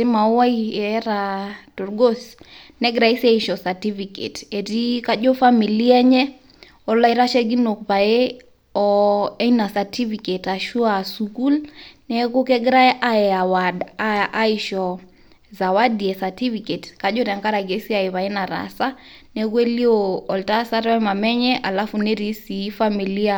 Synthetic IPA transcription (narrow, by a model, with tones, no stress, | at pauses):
ɪ˦ma˨˦wa˦i˦ɛ˨˦ɾa˨do˨ɾɡo˦snɛ˦ɡɾa˨i˦sɛ˦iʃɔ˨sa˨ti˦fi˨kḛ˨te˨ti˦ka˦d͡ʒo˦fa˦mi˨li˦ɛ˦ɲɛ˦ | ɔ˦la˦jɾa˦ʃɛ˦ɡi˦no˨k̚pa˨e˦ | ɔ˨ɛ˦na˨sa˨ti˦fi˨ke˨ta˨ʃu˦a˨su˨ku˦lnɛ˦ku˦kɛ˦ɡɾa˦ʔa˦ɛ˨a˨wa˨daa˦iʃɔ˨ | za˨wa˦di˨ɛ˨sa˨ti˦fi˨ke˨tka˨ʄo˦ɾɛ˨ŋka˦ɾa˨ɡe˦si˦a˨i˨βa˨e˦na˨ɾa̰˨sa˦ | nɛ˦k̬u˦e˦li˦o˨ɔ˨lta˦sa˦ɾa˦ɛ˦ma˨mɛ˦ɲɛ˦ʔa˨la˦fu˨ne˦ɾi˦si˨˦fa˦mi˨li˦a˦